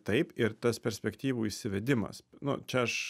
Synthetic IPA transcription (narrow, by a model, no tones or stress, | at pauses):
t̪ɐɪpɪɾt̪ɐspʲɛɾʲsʲpʲɛkt̪ʲiːʋuːiʃʲsʲɪʋʲɛd̪ʲɪmɐ̰snʊ̰t͡ʃʲɛɐʃ